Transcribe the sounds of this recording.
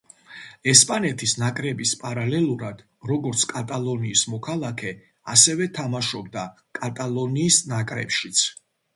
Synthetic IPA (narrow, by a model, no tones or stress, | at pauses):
ɛspʼanɛt̪ʰisnakʼɾɛbispʼaɾalɛlˠuɾad̪̥ | ɾɔɡɔɾt̪sʰkʼat̪ʼalˠɔniːsmɔkʰalˠakʰɛ | asɛvɛt̪ʰamaʃɔb̚d̪a | kʼat̪ʼalˠɔniːsnakʼɾɛ̰pʃit̪sʰ